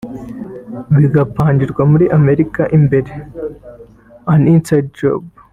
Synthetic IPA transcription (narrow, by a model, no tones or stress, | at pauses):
βiɡɐpːaːnd͡ʒiɾɡʷɐmuɾiʔɐmeɾikaʔimbeɾe | aninsadd͡ʒo̰b